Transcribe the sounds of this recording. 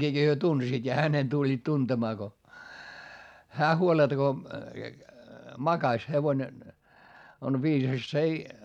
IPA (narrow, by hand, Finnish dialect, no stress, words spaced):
hyø tunsiːt jɑ hænen tulʲːiːt tuntemɑː ko hæː huoletɑ̆ ko mɑkɑsʲ heʋone on ʋiːsɑs s ei